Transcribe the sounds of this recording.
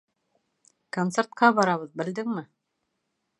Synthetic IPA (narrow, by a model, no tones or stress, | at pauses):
kont̪seɾt̪̚qɑbɑɾɑβɤðbɘ̆ld̪ɘŋmɘ